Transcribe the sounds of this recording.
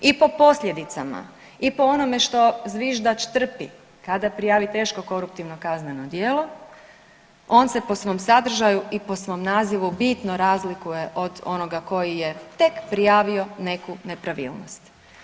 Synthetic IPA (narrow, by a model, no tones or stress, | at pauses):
ipo̞po̞sʎʲe̞d̪it̪sama̰ | ipo̞ono̞me̞ʃt̪o̞zʋiʒd̪at͡ʃt̪r̩pi | kad̪apɾijaːʋit̪e̞ːʃko̞ko̞ɾup̚t̪iʋno̞kaznenod̪jeːlˠo̞ | o̞ːnse̞po̞sʋo̞msad̪r̩ʒajuiposʋo̞ːmnaːziʋubit̪no̞ɾazlikuje̞ʔo̞d̪o̞̰no̞ɡako̞jije̞t̪e̞kpɾijaːʋio̞ne̞kune̞pɾaʋḭːlˠnost̪